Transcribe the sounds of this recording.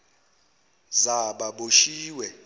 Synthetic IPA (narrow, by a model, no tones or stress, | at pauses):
zaɓaɓoʃiːwɛ